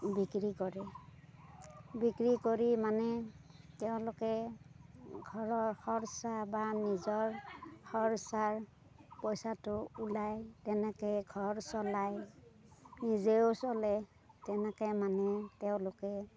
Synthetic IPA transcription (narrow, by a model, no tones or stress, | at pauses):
bikɹikɔɹɛ | bikɹikoɹimanɛ | tɛʊ̃lʊkɛ | ɡʱɔɹɔɹxɔɹsabanizɔɹxɔɹsaɹ | pɔjsatʊulajtɛnɛkɔjɡʱɔɹsɔlaj | nizeosɔlɛ | tɛnɛkɔjmanɛtɛʊ̃lʊkɛ